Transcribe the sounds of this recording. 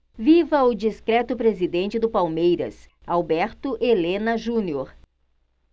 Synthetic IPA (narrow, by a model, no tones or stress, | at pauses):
vivɐʊd͡ʒiskɾɛt̪ʊpɾezid̪ẽnt͡ʃɪd̪ʊpawmejɾɐ̰s | awbɛɾt̪ʊʔelẽnɐʒũnioɾ